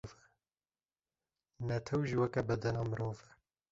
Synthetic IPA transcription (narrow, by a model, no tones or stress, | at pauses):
vɛ | nɛt̪ʰɛwʒiwɛkɛbɛd̪ɛnɑːmɨɾoːvɛ